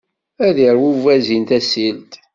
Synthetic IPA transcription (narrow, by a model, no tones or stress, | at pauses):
æðiɾwuvæzint̪æsilt̪